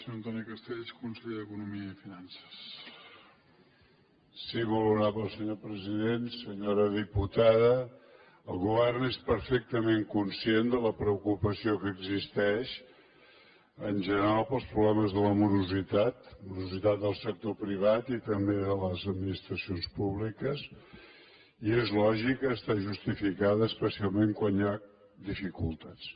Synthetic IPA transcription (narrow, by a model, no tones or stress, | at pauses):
sɲoənt̪ɔnikəst̪eʎʃkunsəʎeðəkunumiəifinansə̥s | siβuluɾaβəlˠsəɲopɾəziðensəɲoɾəðiput̪aðə | əlˠɣuβɛrnespəɾfɛk̚t̪əmeŋkunsiend̪ələpɾəukupəsiokəɡzist̪ɛʃ | ənʲʒənəɾalˠpəlˠspɾuβlɛməzðələmuɾuzit̪at̪muɾuzit̪at̪̚d̪əlˠsək̚t̪opɾiβat̪it̪əmbeðələzəd̪minist̪ɾəsionspuβlikəs | iezlɔʒikəːst̪aʒust̪ifikaðəːspəsialˠmeŋkwanja | d̪ifikulˠt̪at͡s